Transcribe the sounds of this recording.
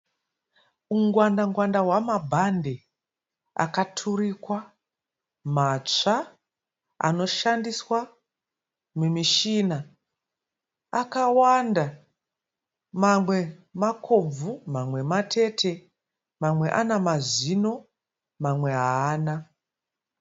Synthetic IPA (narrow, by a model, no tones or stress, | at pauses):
uŋɡwandaŋɡwandawamabʱande̞ | a̰katʰurikwa | mat͡ʂa | a̰no̞ʃandiswa | mumiʃina | akawanda | mamwe̞makʰo̞b͡vumamwe̞matʰe̞tʰe̞ | mamwe̞ʔanamazino̞ | mamwe̞ɦaaːna